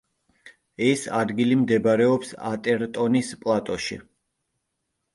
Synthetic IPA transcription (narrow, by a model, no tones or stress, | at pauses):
ɛsad̪ɡilimd̪ɛbɾɛɔpsa̰t̪ʼɛɾt̪ʼɔnispʼlˠat̪ʼɔʃḭ